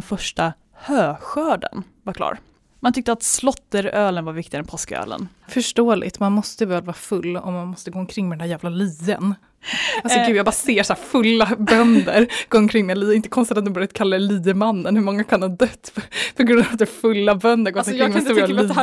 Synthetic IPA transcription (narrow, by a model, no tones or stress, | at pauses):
fœʂʈa | høːɧœːɖə̰n | vakʰlɑ̰ːɾ | mant̪ʏk̚t̪əat̪slɔt̪ːəɾøːlənvaɾvɪkt̪ɪɡaɛnpʰɔskəø̰ːlə̰nfœʂʈoːlɪ̰t̪manmɔst̪əɪvɛːlvɑːɾfɵlːɔ̰mːanmɔst̪əɡoːɔnkʰɾɪŋmɛd̪ɛnæːɾjæːvlaliːə̰n | alsɔɡʉːjabɑːɾaseːʂaæːɾfɵlːabœnd̪əɾɡ̥oːɔnkʰɾɪŋːmɛliːɪnt̪ə̥kʰɔnst̪at̪at̪d̪ɔmbœɾjad̪kʰalːaliːmanːənhɵɾmɔŋːakʰandɑd̪œt̪ːpʰɔɡɾɵnd̪avat̪d̪ɛfɵlːabœnd̪əɾɡoːkɪŋːmst̪ːli